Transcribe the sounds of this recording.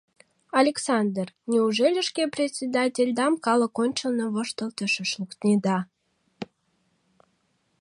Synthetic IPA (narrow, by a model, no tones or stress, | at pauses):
ɑlʲeksɑnd̪ərnʲeuʒelʲeʃkeprʲetʲt͡sʲed̪ɑtʲelʲd̪ɑmkɑlə̆konʲt͡ɕə̆lnoβəʃt̪əlˠt̪əʃə̆ʃlˠukt̪nʲed̪ɑ